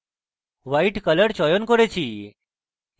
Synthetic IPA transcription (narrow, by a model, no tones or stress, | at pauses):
ʋaiʈkələɽt͡ɕɔjonkoɾet͡ɕʰiː